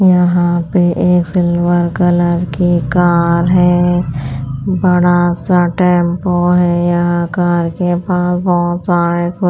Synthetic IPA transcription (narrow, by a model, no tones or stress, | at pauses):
jəɦãpeʔeːksɪlʋəɾkələɾkikaːɾɦɛː | bəɽasaʈɛ̃ːmpoɦɛjəɦãkaːɾkepaːsbɔɦʊt̪saːɾekʊ